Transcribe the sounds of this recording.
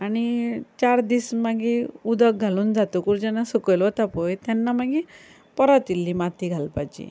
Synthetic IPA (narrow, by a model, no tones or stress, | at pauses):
aɽ̃it͡ɕaɾd̪ismaɡiud̪ək̚ɡʱaluːnd͡zat̪ukuɾd͡ʑɛnasəkəlʋɔt̪apojt̪janːamaɡi | pɔɾat̪ilːimat̪ʰiɡʱalpajt͡ɕḭ